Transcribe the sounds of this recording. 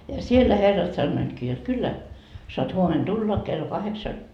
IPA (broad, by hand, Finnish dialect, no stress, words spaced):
jɑ sielːæ herːɑt sɑnːoitkiː jot kylːæ soɑt huomen tulːɑ kelːo kɑheksɑ